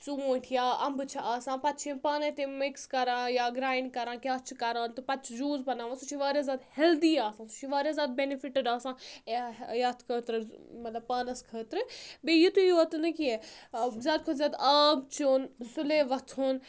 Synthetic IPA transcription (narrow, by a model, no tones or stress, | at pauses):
t͡suũːʈʰijaːɐmbɨt͡ʃʰiʔaːsãːpɐt̪t͡ʃʰĩpaːnɐt̪emikskɐɾãːjaːɡɾaːinkɐɾãːkʲjaːtt͡ʃʰikɐɾãːnt̪ɨpɐt̪t͡ʃʰd͡ʒuːzbɐnaːʋãnsut͡ʃʰiʋaːɾʲjaːzʲaːd̪hɛld̪iːaːsãːsu̥t͡ʃʰiʋaːɾʲjazʲaːd̪̚benifiʈəɖaːsãː | jaːt̪kʰəːt̪ɾɨmɐt̪lɐbpaːnɐskʰəːt̪ɾɨbejit̪ujoɐt̪ɨnɨkiezaːt̪̚kʰot̪zʲaːd̪aːmt͡ʃonsuleʋɐt̪ʰuːn